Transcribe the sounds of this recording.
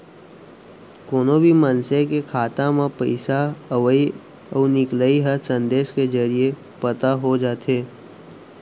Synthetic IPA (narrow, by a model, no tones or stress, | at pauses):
koːnobʱimənsekekʰaːt̪amãpəɪsaəʋəi | ɔːnɪkləiɦəsə̃nd̪eːʃked͡ʒəɾie | pət̪aɦod͡ʒaːt̪ɦeː